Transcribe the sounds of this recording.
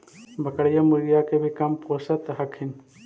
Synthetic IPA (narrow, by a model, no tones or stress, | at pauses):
bʱɐkəɽjamuɾjakebʱikɐmpoːsət̪ɦɐkʰɪn